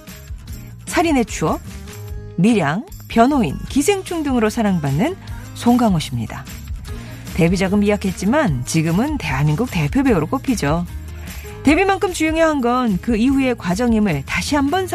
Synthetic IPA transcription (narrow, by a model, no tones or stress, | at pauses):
sʰaɾine̞t͡ɕʰuʌ | miɾjaŋpjʌnɦoḭnkisʰe̞ŋt͡ɕʰuŋdɯŋɯɾosʰaɾaŋbanːɯnsʰoŋɡaŋoɕʰimɲḭda | te̞bid͡ʑaɡɯnmiakʰe̞t̚t͡ɕ͈imant͡ɕiɡɯmɯnte̞ɦamiŋɡuk̚te̞pʰjobeɯɾok͈opʰid͡ʑo | te̞bimaŋkʰɯmt͡ɕujuŋjʌɦanɡʌnkɯiɦue̞kwad͡ʑʌŋimɯɭtaɕʰiɦambʌnsʰ